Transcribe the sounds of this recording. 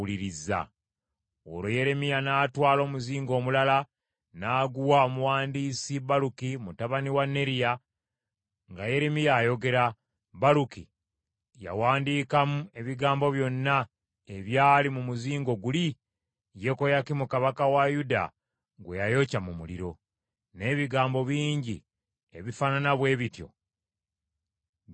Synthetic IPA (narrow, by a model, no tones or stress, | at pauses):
uliɾiza̰ | o̰ɾoje̞ɾe̞mijanaːtwaːlo̞ːmuziːŋɡo̞ːmulala | naːɡuwaomuwaːndiːsiβalukimutaβaniwanːe̞ɾija | ŋɡaje̞ɾemijajo̞ɡe̞ɾa | βaɾuki | ja̰waːndiːkamue̞βiɡaːmbo̞βjo̞nːa | eβjaːlimumuziːŋɡo̞ɡuli | je̞ko̞jakimukaβakawajuda̰ | ɡwejajo̞camumulḭɾo̞ | ne̞ːβiɡaːmbo̞βiːɲɟḭ | eβifananaβwe̞ːβitjo̰